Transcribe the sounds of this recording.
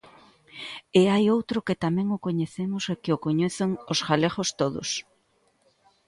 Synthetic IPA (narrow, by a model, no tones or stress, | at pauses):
eajowt̪ɾʊkɪt̪amɛ̃ŋʊkoɲeθemʊsekɪokoɲeθeŋosɣaleɣost̪oðʊ̰s